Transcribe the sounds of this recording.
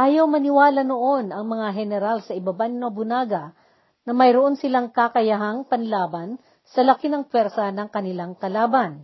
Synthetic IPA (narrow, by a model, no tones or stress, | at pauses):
ʔaːjɐwmɐnɪwaːlɐnoʔo̞nɐŋmɐŋaɦɛnɛɾalsɐʔɪbɐbanɪnɐbʊnaːɡɐ | nɐmɐjɾoʔo̞nsɪlaŋkakɐjɐɦaŋpɐnlaːbɐn | sɐlɐkinɐŋpwɛɾsɐnɐŋkɐnɪlaŋkɐlaːbɐn